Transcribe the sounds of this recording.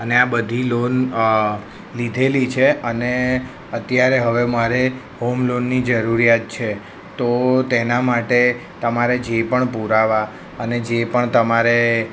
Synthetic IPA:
əneabəd̪ʱilon | lid̪ʱelit͡ʃʰeəne | ət̪jaɾeɦəʋemaɾe | ɦomlonːid͡ʒəɾuɾijat̪̚t͡ʃʰe | t̪ot̪enamaʈe | t̪əmaɾed͡ʒepəɳpuɾaʋa | əned͡ʒepəɳt̪əmaɾe

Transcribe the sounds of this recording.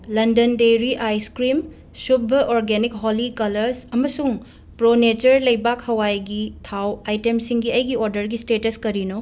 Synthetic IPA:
lɐndɐndejɾiʔajskɾim | sup̚bɐʔoɾɡenikɦolikɐlɐɾsɐmɐsuŋ | pɾonet͡ʃɐɾlɐjbakhɐwajɡitʰawajtemsiŋɡiɐjɡioɾdɐɾɡistetɐskɐɾino

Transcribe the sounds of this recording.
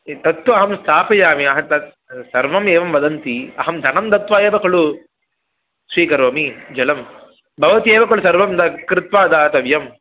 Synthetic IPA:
t̪ɐt̪ʋɐɐɦɐmst̪ʰaːpɐjaːmiɐɦɐt̪ɐ | sɐɾʋɐmeːʋɐmʋɐd̪ɐnt̪iɐ̰ɦɐmd̪ʱɐnɐmt̪ɐt̪ʋaːeːʋɐkɐɭu | sʋiːkɐɾʋɐmid͡ʒɐlɐm | bʱɐʋɐt̪ieːʋɐkɐɭusɐɾʋɐmd̪ɐkɾɪt̪ʋaːd̪aːt̪ɐʋjɐm

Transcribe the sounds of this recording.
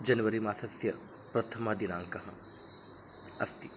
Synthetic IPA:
d͡ʒɐnʋɐɾimaːsɐsjɐ | pɾɐt̪ʰɐmaːd̪inãːŋkɐɦɐ̰̃ | ɐ̰st̪i

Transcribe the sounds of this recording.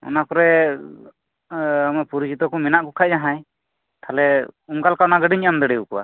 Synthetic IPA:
ɔ̰nakɔɾɛ | amɛpuɾut͡ʃʰit̪ɔkumɛnaʔkukʰaʔ̚d͡ʒaɦaj | t̪ʰalɛuŋkalkawnaɡəɖiɲamd̪ɛɽɛukɔwa̰

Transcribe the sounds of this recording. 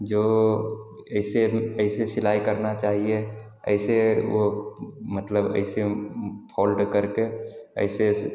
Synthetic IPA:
d͡ʒoː | ɐɪseəɪsesɪlaːikəɾnat͡ʃaːɦie | ə̰ɪseʋomət̪ləbə̰ɪsepʰɔːlɖkəɾkeə̰ɪse

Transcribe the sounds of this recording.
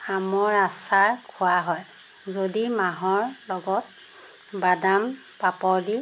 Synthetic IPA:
amɔɹasaɹkʰʊwaɦɔj | zodimaɦɔɹlɔɡɔt̚ | badam | papɔɹdi

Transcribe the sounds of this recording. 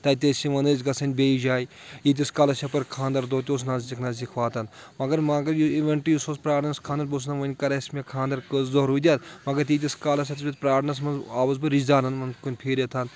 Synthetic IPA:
t̪ɐːt̪ʲesʲiʋɐnɐzʲɡɐsɐnʲbʲeːid͡ʒaːj | jit̪̬ʲiskaːlɐsʲɐpɐɾkʰãːnd̪ɐɾd̪oːt̪ʲoːs̬naːzzikʰnaszikʰʋaːt̪ɐnmɐɡɐɾmɐɡɐɾjuiʋeɳʈijusospɾaːɾnɐskʰaːnd̪ɐɾbos̬nɐʋɐnʲkɐɾɐsmʲekʰãːnd̪ɐɾkɨzzoɦɾuːd̪ʲaːt̪mɐɡɐɾt̪iːt̪̬ʲiskaːlɐs̬ʲɐt̪ɐsʲit̪̚pɾaːɾnɐs̬mɐnzaːʋɐzbɨɾid͡ʒd̪aːɾnɐnmɐnkunʲpʰeːɾɐt̪ʰɐn

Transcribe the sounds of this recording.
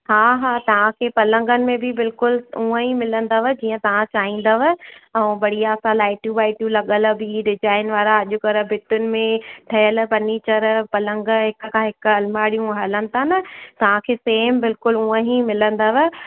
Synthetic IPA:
ɦaːɦaːt̪ɐʋ̤ãkʰeːpɐlə̃ŋɡənɪ̆mẽbʱɪbɪlkʊlũə̃ɦimɪlə̃nd̪əʋəd͡ʑiːə̃t̪ɐʋ̤ãt͡ɕaːɦĩːn̆d̪əʋəɛ̃ːbɐɽijasãlaːɪʈjũbaːɪʈjũlɐɠəlbʱiɖɪd͡ʒaːɪnʋaːɾaɐʄʊkɐɾəbʱɪt̪ʊnɪ̆mẽʈʰɐjəlpɐniːt͡ɕəɾpɐlə̃ŋɡɦɪkkʰãːɦɪkɐlmaːɽijũɦɐlə̃nɪ̆t̪ʰanɐt̪ɐʋ̤ãkʰeːseːmbɪlkʊlũːə̃ɦimɪlə̃nd̪əʋə

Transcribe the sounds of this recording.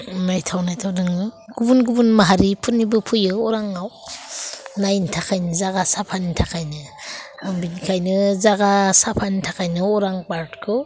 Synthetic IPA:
najtʰawnajtʰawdɯŋɯɡ̥ubunɡubunmaɦaɾipʰunːibɯpʰujɯɔɾaŋaw | najntʰakʰajnɯzaɡasapʰanitʰakʰajnɯ | ambinkʰajnɯzaɡasapʰantʰakʰajnɯɔɾaŋpaɾtkʰɯ

